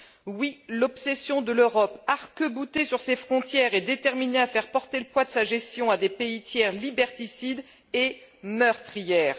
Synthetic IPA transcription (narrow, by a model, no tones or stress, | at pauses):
wilɔpsesjɔ̃d̪əløʁɔpaʁkəbut̪esyʁsefχɔ̃t̪jɛʁed̪et̪ɛʁmineafɛʁpɔʁt̪eləpwad̪əsaʒɛst̪jɔ̃ad̪epeit̪jɛʁlibɛʁt̪isid̪ | emœʁt̪χijɛːʁ